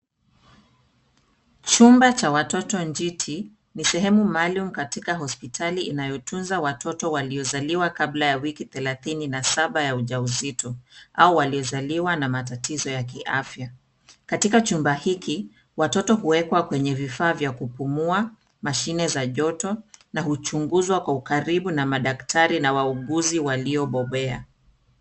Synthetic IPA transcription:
t͡ʃumbat͡ʃawatɔtɔnd͡ʒitʰi | nisɛɦɛmumalum̩katikaɦɔspitʰaliinajɔtʰunzawatɔtɔwaliɔzaliwakablajawikiθɛlaθininasaɓajauʄauzitɔʔaɔwaliɔzaliwanamatatizɔjak̬iʔafja | katikat͡ʃumbahiki | watɔtɔɦuwɛkwakwɛɲɛvifaːvjakupumua | maʃinɛzaʄɔtɔnahut͡ʃuŋɡuzwakwaukaɾiɓunamaɗaktʰaɾinawauɠuziwaliɔɓɔɓɛa̰

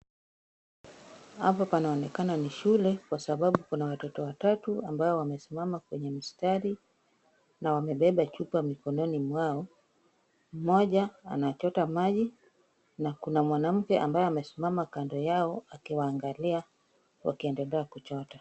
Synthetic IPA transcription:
hapapanaɔnɛkananiʃulɛkwasaɓaɓukunawatɔtɔwatatuambaɔwamɛsimamakwɛɲɛm̩staɾi | nawamɛɓɛɓat͡ʃupamikɔnɔnimwaɔ | m̩mɔʄaa̰nat͡ʃɔtamaʄi | nakunamwanam̩kɛʔa̰mbajɛamɛsimamakandɔjaɔakiwaːŋɡalia | wa̰kiɛndɛlɛakut͡ʃɔta

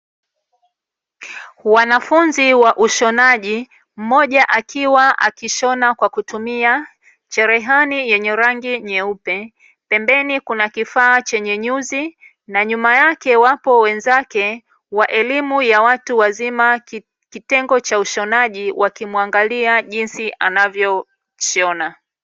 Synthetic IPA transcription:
wanafunziwaʔuʃɔnaʄi | m̩mɔʄaʔakiwaʔa̰kiʃɔnakwakutumia | t͡ʃɛɾɛɦanijɛɲɛɾaŋɡiɲɛupɛ | pɛmbɛnikunakifaːt͡ʃɛɲɛɲuzi | naɲumajakɛwapɔwɛnzakɛ | waʔɛlimujawatuwazima | kitɛŋɡɔt͡ʃauʃɔnaʄiwʔakimuaŋɡaliaʄinsiʔa̰navjɔ | ʃɔna

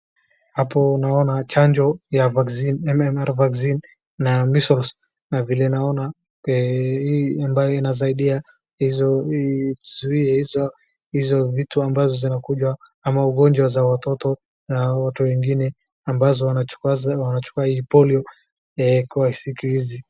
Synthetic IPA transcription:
hapɔnaɔnat͡ʃand͡ʒɔjavaksinɛmɛmɛɾvaksinː | amisɔls | navilɛnaɔna | hiambajɔinazaiɗia | hizɔtuzuiɛhizɔ | hizɔvituambazɔzinakuʄwa | amauɠɔɲd͡ʒwazawatɔtɔ | nawatuwɛŋɡinɛ | ambazɔ | wanat͡ʃu̥kuahiːpɔliɔ | ɛkuai̥sikiizi

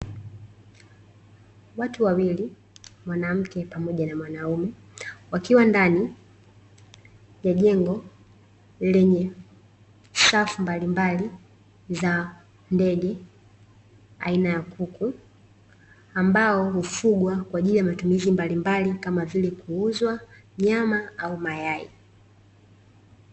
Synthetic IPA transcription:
watuwawili | mwanam̩kɛpamɔʄanamwanaumɛ | wakiwandani | jaʄɛŋɡɔ | lɛɲɛ | safumbalimbali | za | ndɛɡɛ | a̰inajakukʰu | ambaɔhufuɡwakwaːʄilijamatumizimbalimbalikamavilɛkuuzwa | ɲamaaumajaḭ

